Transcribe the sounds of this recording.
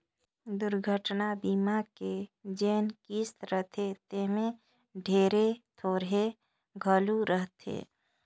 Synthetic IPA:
d̪ʊɾɡʱəʈnabiːmaked͡ʒeːnkiːst̪ɾəɦt̪ʰet̪emẽ | ɖʱeːɾet̪ʰoːɾɦe | ɡʱəluɾəɦt̪ʰḛː

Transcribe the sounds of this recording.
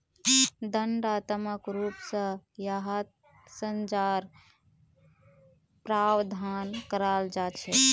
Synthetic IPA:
d̪əɳɖat̪məkɾupsə̃jaɦat̪̚ | sənt͡ʃaɾ | pɾawd̪ʱankəɾald͡ʒat͡ʃʰɛ

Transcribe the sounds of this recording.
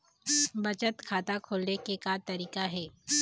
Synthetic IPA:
bɐt͡ʃət̪kʰaːt̪akʰoːlnekekat̪ɐɾiːkaɦɛː

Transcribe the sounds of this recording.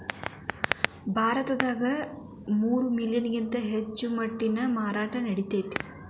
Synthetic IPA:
bʱaːɾɐt̪ɐd̪aːɡɐ | muːɾumiljɐniɡint̪ɐɦet͡ʃːumɐʈːinɐmaːɾaːʈɐnɐɽit̪eːt̪i̥

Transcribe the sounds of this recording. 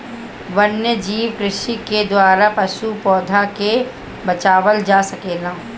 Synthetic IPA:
ʋɐnjəd͡ʒiːʋkɾɪʃiked̪waːɾapɐʃupɔːd̪ʱake | bɐt͡ʃaːʋəld͡ʒaːsɐkeːlãː

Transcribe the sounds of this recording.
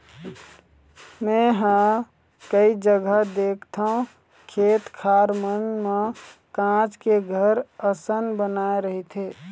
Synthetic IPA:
mɛ̃ɦã | kəid͡ʒəɡəɦd̪eːkʰt̪ʰaũ | kʰeːt̪kʰaːɾmənmẽkãːt͡ʃkeɡʱəɾəsənbənaːeɾəɦit̪ʰeː

